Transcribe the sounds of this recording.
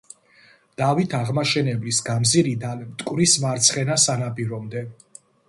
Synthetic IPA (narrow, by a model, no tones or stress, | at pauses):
d̪̥avit̪ʰaʁmaʃɛnɛblisɡamziɾid̪alɛmt̪ʼkʼwɾismaɾt̪sʰχɛnasanapʼiɾɔmd̪ɛ